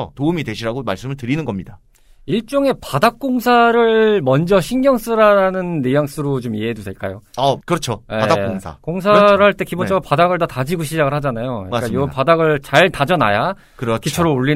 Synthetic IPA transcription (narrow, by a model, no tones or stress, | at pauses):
toumidwe̞ɕʰiɾaɡomaɭs͈ɯmɯɭtɯɾinɯnɡʌmɲida | iɭt͡ɕ͈oŋe̞padak̚k͈oŋsʰaɾɯɭmʌnd͡ʑʌɕʰiŋɡjʌŋs͈ɯɾaɾanɯnːejaŋs͈ʰɯɾot͡ɕomieɦedusʰeɭk͈a̰joakɯɾʌt͡ɕʰojeakkoŋsʰa̰koŋs̬ʰaɾɯɦaɭt͈e̞kibot͡ɕ͈ʰʌɡapadaɡɯɭtatad͡ʑiɡoɕʰid͡ʑaɡɯɭhad͡ʑanajoɲikajopadaɡɯɭt͡ɕaɭtad͡ʑʌnaja | kɯɾkit͡ɕʰʌɾooɭːi